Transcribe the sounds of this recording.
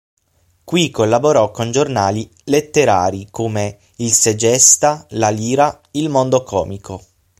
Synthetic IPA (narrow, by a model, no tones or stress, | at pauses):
kwikːolːaboɾɔkːond͡ʒornaːli | let̪ːeɾa̰ːɾikoːme | ilsed͡ʒɛst̪alaliːɾa | ilmond̪okʰɔ̰ːmikʰo